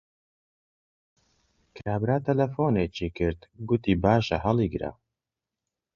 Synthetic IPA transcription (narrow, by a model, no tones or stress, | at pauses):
kʰɾaːbɾaːt̪ʰɐlɐfoːneːt͡ʃikɨɾd̪ɡʊt̪iːbaːʃɐɦɐlˠiɡɾa̰ː